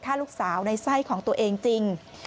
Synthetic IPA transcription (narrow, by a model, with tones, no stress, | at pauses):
kʰaː˥˩luː˦˥˩k̚saː˩˦wna˧jsa˥˩jkʰɔː˩˦ŋt̪u˧ɐʔeː˧ŋt͡ɕi˧ŋ